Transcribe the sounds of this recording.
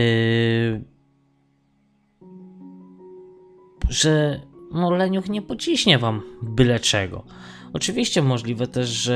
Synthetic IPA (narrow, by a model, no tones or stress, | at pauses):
ʐɛmɔɾlɛɲuxɲɛpɔt͡ɕiɕɲɛvambɘlɛt͡ʂɛɡɔ̰ɔt͡ʂɨvʲiɕt͡ɕɛmɔʐlʲivɛt̪ɛʐʐɛ